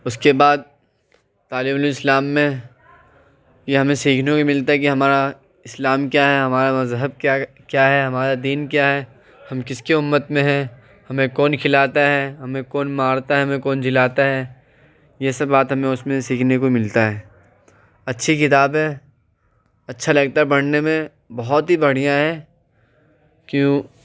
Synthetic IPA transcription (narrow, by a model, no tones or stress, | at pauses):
ʊskebaːd̪̚ | t̪aːliːmloɪslaːmːẽ | jeɦɐmẽsiːkʰnekoimɪlt̪aɦɛkiɦɐmaːɾa | ɪslaːmkjaːɦɛɦɐmaːɾamɐzɦəb̚ka | kjaːɦɛɦɐmaːɾad̪iːnkjaːɦɛː | hɐmkɪskiʊmːət̪mẽɦɛ̃ | hɐmẽkɔːnkʰɪlaːt̪aɦɛɦɐmẽkɔːnmaːɾt̪aɦɛɦɐmẽkɔːnd͡ʒɪlaːt̪aɦɛː | jesɐbaːt̪ɦɐmẽʊsmẽsiːkʰnekomɪlt̪aɦɛː | ɐtːʃʰikɪt̪aːbɦɛː | ɐtːʃʰalɐɡt̪abɐɽ̤nemẽ | bɐɦɔt̪ɦibɐɽ̤ijãɦɛː | kjõː